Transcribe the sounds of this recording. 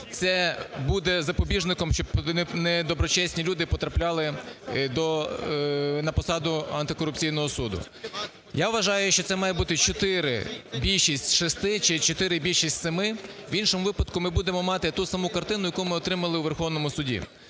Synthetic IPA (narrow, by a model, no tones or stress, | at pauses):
t̪sɛbud̪ɛzɐpɔbʲiʒnɪkɔmʃt͡ʃɔbnɛd̪ɔbɾɔt͡ʃɛsʲnʲilʲud̪ɪpɔt̪ɾɐplʲɑlˠɪd̪ɔ | nɐpɔsɑd̪ʊɐ̰nt̪ɪkɔɾʊp̚t͡sʲijnɔɦɔsud̪ʊ̰ | jaʋʋɐʒɑjʊʃt͡ʃɔt̪sɛmɑjɛbut̪ɪt͡ʃɔt̪ɪɾɪ̰bʲilʲʃisʲtʲʃɪst̪ɪt͡ʃɪt͡ʃɔt̪ɪɾɪbʲilʲʃisʲtʲsemɪʋinʃɔmʊʋɪpɐd̪kʊmɪbud̪emɔmɑt̪ɪt̪usɐmukɐrt̪ɪnʊjɐkumɪɔt̪ɾɪmɐlˠɪwʋerxɔʋnɔmʊsʊdʲḭ